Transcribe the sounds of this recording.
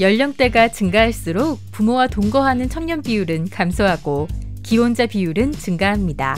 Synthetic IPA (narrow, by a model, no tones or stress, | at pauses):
jʌʎːʌŋt͈e̞ɡat͡ɕɯŋɡaɦaɭs͈uɾok̚p͈umowatoŋɡʌɦanɯnt͡ɕʰʌŋɲʌnpiuɾɯnkamsʰʌɦaɡo | kiwond͡ʑapiuɾɯnt͡ɕɯŋɡaɦamɲida